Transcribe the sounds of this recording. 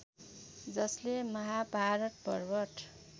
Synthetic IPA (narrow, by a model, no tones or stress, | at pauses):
d͡zʌslemʌɦabʱaɾʌʈ̚pʌrbʌʈ